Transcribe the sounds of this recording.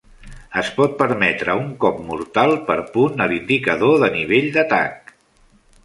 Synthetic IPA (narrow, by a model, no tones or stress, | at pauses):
əspɔt̪̚pəɾmɛt̪ɾəuŋkɔpmuɾt̪alˠpəɾpunəlind̪ikəðoðəniβ̞eʎd̪ət̪a̰k̚